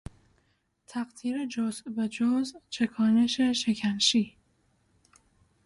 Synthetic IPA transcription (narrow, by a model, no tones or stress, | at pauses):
t̪ʰæɢt̪ʰiːɾed͡ʒozvæd͡ʒozt͡ʃʰe̞kʰɒːne̞ʃeʃecʰænʃiː